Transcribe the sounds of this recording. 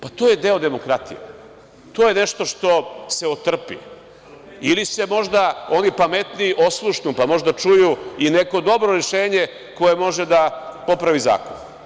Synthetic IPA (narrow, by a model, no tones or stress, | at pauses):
pat̪o̞ːje̞d̪e̞o̞d̪e̞mo̞kɾat̪ḭjḛ | t̪o̞ːjeneʃt̪o̞ʂt̪o̞seot̪r̩pḭ | ilisemo̞ʒd̪ao̞nipamet̪niʔoslˠuʃnupamo̞ʒd̪at͡ʂujuine̞ko̞d̪o̞bɾo̞ɾeʃe̞ːɲe̞ | ko̞je̞mo̞ʒed̪apo̞pɾaʋiza̰ːko̰n